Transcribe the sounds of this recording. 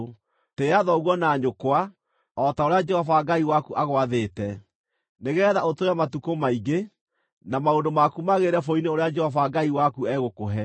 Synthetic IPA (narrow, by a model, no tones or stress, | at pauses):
teaðɔɣwɔnaːɲokwa | ɔtaoɾead͡ʒɛhɔvaɡaiwakuʔaɣwaðetɛ | neɣɛðaotoɾamatukomaiɡe | namaondomakumaɣeɾɛfoineoɾead͡ʒɛhɔvaɡaiwakuɛɣokoɦɛ